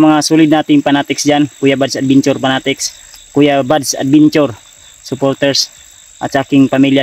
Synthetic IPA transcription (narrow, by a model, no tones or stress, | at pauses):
maŋasulidnat̪iŋpanat̪ɛksd͡ʒankujabadsad̪̚biɲt͡ʃɔrpanat̪ɛks | kujabadsa̰t̪̚biɲt͡ʃɔr | supɔrt̪ɛrs | ʔa̰t͡ʃakiŋpamilia